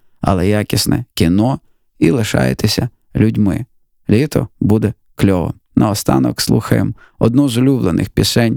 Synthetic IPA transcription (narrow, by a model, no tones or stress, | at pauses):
ɐ̰lˠɛjakʲisnɛkʲinɔ | ilˠɪʃɑ̰jḛt̪ɪsʲɐ | lʲʊdʲmɪ̰ | lʲit̪ɔbud̪ɛ | klʲɔʋɔ̰m | nʔɐɔst̪ɑnɔ̰kslˠuxɐjem | ɔd̪̚nɔzɔlʲublˠenɪ̰xpʲisɛnʲ